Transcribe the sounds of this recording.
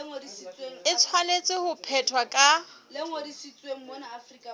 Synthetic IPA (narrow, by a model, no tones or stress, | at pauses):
ŋodisit͡sʼweɪt͡sʰwanet͡sʼɪhʊpʰɛtʰwakʼalɪŋodisit͡sʼweŋ̩mɔnaafrikʼa